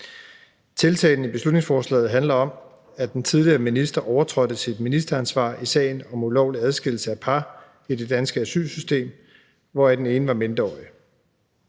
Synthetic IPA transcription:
t͡sʰe̝lt͡sʰɛ̰ɪn̩ib̥e̝slud̥ne̝ŋsfɒːslɛ̰ːð̩ˠɦænlɐɒ̽m | æd̥ent͡sʰið̞ˠliɐminisd̥ɐʔɒʊɐt͡sʰʁɒ̽dəsid̥minisd̥ɐænsʋɑ̰̈ːisɛ̰ːɪnɒ̽mulɒʊliæð̞ˠsɡ̥e̝l̰̩səæpʰɑ̈ | id̥e̝d̥ænsɡ̥əæsy̰ːlsysd̥e̝̰ːm | ʋɒæd̥ene̝ːnəʋɑ̈me̝nd̥ɐɒ̰ːi

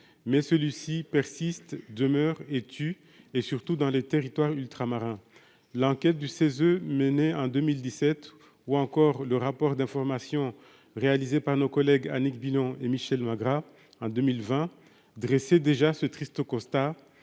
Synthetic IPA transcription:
mɛsəlɥisipɛʁsist̪d̪əmœʁet̪ʰy | esyʁt̪ud̪ɑ̃let̪eʁit̪waʁylt̪χamaʁɛ̃ | lɑ̃kʲɛt̪̚d̪ysezøməneɑ̃d̪ømild̪isɛt̪ | uɑ̃kɔʁləʁapɔʁd̪ɛ̃fɔʁmasjɔ̃ | ʁealizepaʁnokɔlɛɡa̰nikbilɔ̃ʔemiʃɛlmaɡʁa | ɑ̃d̪ømilvɛ̃ | d̪ʁesed̪eʒasət̪χist̪əkɔ̃st̪a

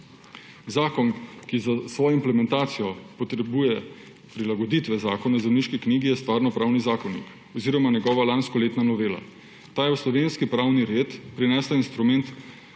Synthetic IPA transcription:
zaːkɔnkizasʋɔːjɔimplɛmɛnt̪aːt̪sijɔpɔt̪ɾɛbuːjɛ | pɾilaɡɔd̪iːt̪ʋɛzaːkɔnawzɛwniʃkikniːɡijɛst̪ʋaːɾnɔpɾaːwnizaːkɔnḭk | ɔziɾɔmanjɛɡɔːʋalanskɔleːt̪nanɔʋeːla̰ | t̪aːjɛwslɔʋeːnskipɾaːwniɾeːt̪pɾinɛːslainst̪ɾumɛnt̪

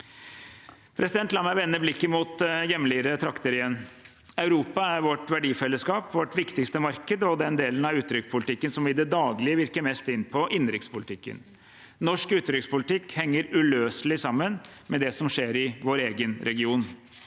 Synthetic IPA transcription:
pʰɾʔɛsɪd̪ɛnt̪lɑːmæʋɛnːəblɪkːəmuːt̪jɛmːlɪɾət̪ʰɾɑkt̪əɾɪjɛnː | ɑʉɾuːpɑæɾʋɔʈʋæɖiːfɛlːəskɑːpʋɔʈʋɪkt̪ɪkst̪əmɑɾkəd̪əɔd̪ɛnd̪eːlənɑʉːt̪ɾʏkspʰʊlɪt̪ʰɪkːənsɔmʋɪd̪ɛd̪ɑːɡlɪəʋɪɾkəɾmɛst̪ɪnpʰɔʔɪnɾɪktspʰʊlɪt̪ɪkːə̰n | nɔʂkʉːt̪ɾʏkspʊlɪt̪ʰɪkhɛŋːəɾʉløːsəlɪsɑmːən | mɛd̪ɛsɔmʂeːɾɪʋoːɾeːɡənɾʔɛɡɪuːn

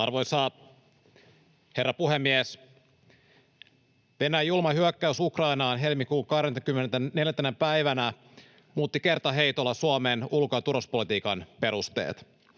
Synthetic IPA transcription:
ɑrʋo̞jsɑː | he̞rːɑpuhemːies | ʋe̞næːjulmɑhɦyækːæysukrɑinɑːnɦelmikuːŋkɑhɾent̪ɑkymːenent̪æne̞ljæt̪ːænempæiʋænæ | muːt̪ːike̞rt̪ɑɦe̞ijt̪olːɑsuomeːnulkoɑt̪uɾospolit̪iːkɑnpe̞ɾust̪ḛːt̪

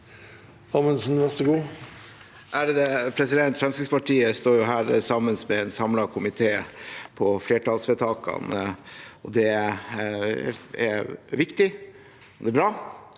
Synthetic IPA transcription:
hɑmənsn̩ʋɛsəɡuː | ʔæɾd̪ɛpʰɾɛsɪd̪ɛnt̪fɾɛmskɪɡspɑʈʰiːəst̪oːɾjʊɦæːɾsɑmːənsmɛɛnsɑmlɑkʰʊmɪt̪ʰeːpʰɔfleːʈɑːlsʋɛt̪ʰɑːkɑ̰n | ɔd̪ɛ | æ̰ɾʋɪkt̪ɪ | ɔd̪ɛːbɾɑː

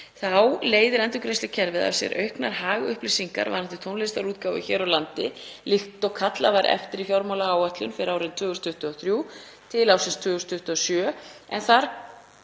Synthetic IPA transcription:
θawleːjðɪɾɛnt̪ʏkɾejst̪cʰɛɾvɪða̰̥sjɛ̰ɾʔœ̰ɥhknaɾ̥ɦaːɣʏhplɪsiŋka̰ɾva̰naθɪ̥ɾt̪ʰownest̪aɾuːt̪̚kaːwvɪ̰çɛːɾawlant̪ɪlɪht̪ɔɣkʰat̪lavaɾʔɛ̰ft̪ɪɾifjawɾmawlaaːwat̪lʏnfɪɾaːwɾɪnt̪ʰvʏːɣʏst̪ʰʏht̪ʏɔθɾjuː | t̪ʰɪlawsɪnst̪vʏːɣʏst̪ʰʏht̪ʏɔsjœːɛnθaɾ̥

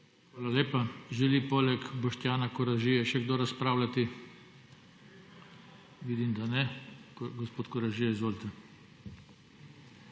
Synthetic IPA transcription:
xʋaːlaleːpaʒɛlipoːlɛkbɔʃt̪jaːnakɔɾaʒijɛʃɛɡd̪oːɾaspɾaːwlat̪i | ʋiːd̪imd̪anɛ | ɡɔspoːt̪kɔɾaʒijɛzʋoːlʲt̪ɛ

